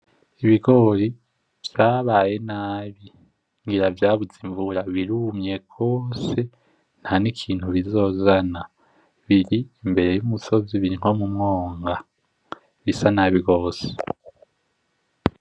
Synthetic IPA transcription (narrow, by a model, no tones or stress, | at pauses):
iβiɡo̞ɾi | v̥jaːβaːje̞naːβi | ŋɡiɾavjaːβud͡ziɱvuɾaβiɾumɲe̞ɡ̥o̞ːse̞ | n̥hanikʰiːn̥huβizo̞ːzana | βiɾiːmbe̞ɾe̞jumuso̞ziβiɾiŋ̥ho̞mumŋoːŋɡa | βisanaːβiɡo̞ːse̥